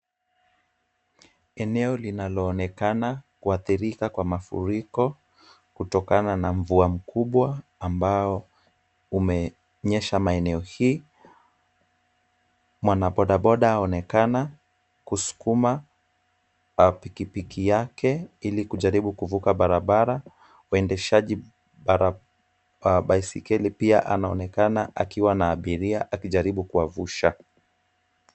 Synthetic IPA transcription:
ɛnɛɔlinalɔːnɛkanakuaθiɾikakwamafṵɾikɔ | kutɔkananaɱ̩vuam̩kʰuɓwaːmbaɔ | umɛ | ɲɛʃamaɛnɛɔhiː | mwanaɓɔɗaɓɔɗahaɔnɛkana | kusu̥kuma | apikipikʰijakɛilikuʄaɾiɓukuvukaɓaɾaɓaɾa | uɛndɛʃaʄi | ɓaɾa | waɓaisikɛlipiaʔanaɔnɛkanaʔakiwanaːɓiɾiaʔakiʄaɾiɓukuavuʃa

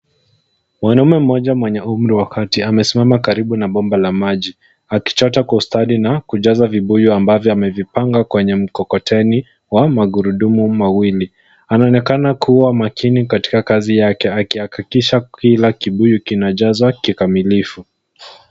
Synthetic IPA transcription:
mwanaumɛm̩ːɔʄamwɛɲɛum̩ɾiwakatiamɛsimamakaɾiɓunaɓɔmbalamaʄi | aki̥t͡ʃɔtakwaustaɗinakuʄazaviɓujuambavjɔamɛvipaŋɡakwɛɲɛm̩kɔkɔtɛni | wamaɡuɾuɗumumawili | anaɔnɛkanakʰuwamakʰinikati̥kakazijakɛakiakikiʃakilakiɓujukinaʄazwakikamilifu

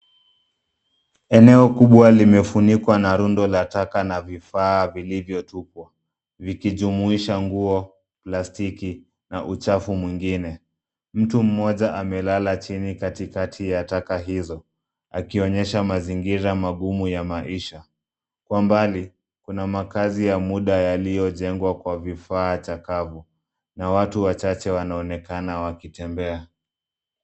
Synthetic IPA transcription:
ɛnɛɔkuɓwalimɛfunikwanaɾundɔlatakanavifaːvilivjɔtupwa | vikiʄumuiʃaŋɡuɔ | plastiki | naʔut͡ʃafumwiŋɡinɛ | m̩tum̩mɔʄaʔamɛlalat͡ʃinikatikatʰijatakaɦizɔ | a̰kiɔɲɛʃamaziŋɡiɾamaɠumujamaʔiʃa | kwambali | kunamakazijamuɗajalijɔʄɛŋɡwakwavifaːt͡ʃakavu | nawatuwat͡ʃat͡ʃɛwanaɔnɛkanawakitɛmbɛa

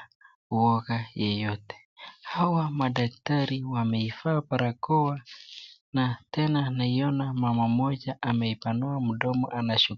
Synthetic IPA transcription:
uwɔɣajɛjɔtɛ̥ | hawamaɗaktaɾiwamɛifaːpaɾakɔwa | natɛnanaiɔnamamamɔd͡ʒaʔamɛipanuam̩ɗɔmɔ̰ʔanaʃu

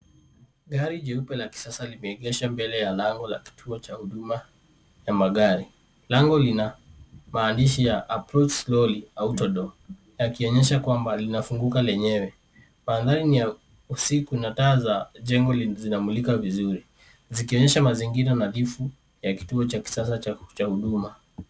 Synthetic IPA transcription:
ɠaɾiʄɛupɛlaki̥sasalimɛɛɡɛʃambɛlɛjalaŋɡɔla̰ki̥tʰuɔt͡ʃahuɗuma | jamaɠaɾi | laŋɡɔlinamaːndiʃijaʔːpɾɔt͡ʃslɔliautɔɗɔ | jakiɔɲɛʃakwambalinafuŋɡukalɛɲɛwɛ | maːnðaɾinija | usikunataːzaʄɛŋɡɔlzinamulikavizuɾi | zikiɔɲɛʃamaziŋɡiɾanalifu | jaki̥tuɔt͡ʃaki̥sasat͡ʃahuɗuma

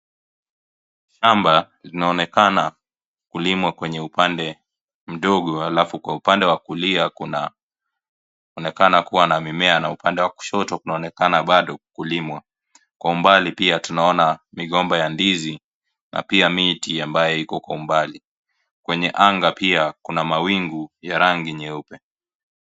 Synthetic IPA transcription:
ʃamba | linaɔnɛkana | kulimwakwɛɲɛupandɛ | m̩ɗɔɠɔhalafukwaupandɛwakuliakna | ɔnɛkanakuwanamimɛanaupandɛwaku̥ʃɔtɔkunaɔnɛkanaɓaɗɔkulimwa | kwaumbalipiatunaɔnamiɠɔmbajandizi | na̰piamitiambajɛikɔkwaumbali | kwɛɲɛʔaŋɡapiakunamawiŋɡujaɾaŋɡiɲɛupɛ

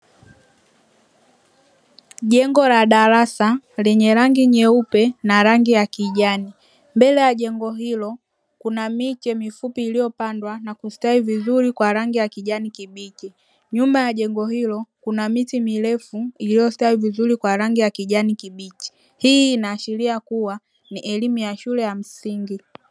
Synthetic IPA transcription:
ɟɛŋɡɔlaɗaɾasalɛɲɛɾaŋɡiɲɛupɛnaɾaŋɡijakiʄani | mbɛlɛjaʄɛŋɡɔɦilɔ | kunamit͡ʃɛmifupiːlijɔpandwanakustaivizuɾikwaɾaŋɡijakiɟanikibit͡ʃi | ɲumbajaʄɛŋɡɔɦilɔkunamitimilɛfuilijɔstaivizuɾikwaɾaŋɡijakiʄanikibit͡ʃi̥ | hiːnaːʃiliakuwa | niʔɛlimujaʃulɛjam̩siŋɡi

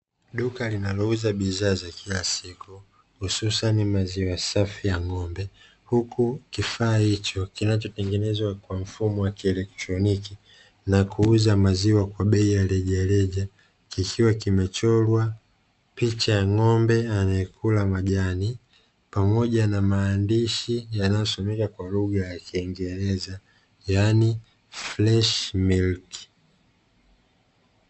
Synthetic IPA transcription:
ɗukalinalɔuzaɓizaːzakʰilasiku | hususanimaziwasafijaŋɔmbɛ | hukukifaːhit͡ʃɔkinat͡ʃɔtɛŋɡɛnɛzwakwam̩fumɔwakiɛlɛk̚tɾɔniki | nakuuzamaziwakwaɓɛijalɛʄalɛʄa | kikʰiwakimɛt͡ʃɔlwa | pit͡ʃajaŋɔmbɛanaɛkʰulamaʄani | pamɔʄanamaːndiʃijanajɔsɔmɛkakwaluɠajakiːŋɡɛɾɛza | jani | flɛʃmilki̥

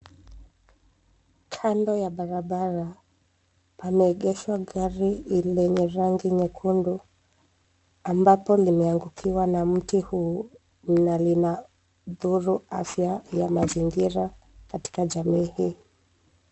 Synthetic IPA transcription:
kʰandɔjaɓaɾaɓaɾa | pamɛːɠɛʃwaɠaɾiilɛɲɛɾaŋɡiɲɛkʰundu | ambapɔlimɛaŋɡukʰiwanam̩tihu | m̩nalina | ðuɾuafjajamaziŋɡiɾa | kati̥kaʄamiːhiː

